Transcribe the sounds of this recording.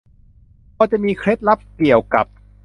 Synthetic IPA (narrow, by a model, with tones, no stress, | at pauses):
kɔː˧t͡ɕa˨˩miː˧kʰɾe˦˥t̪̚la˦˥p̚ki˨˩əwka˨˩p̚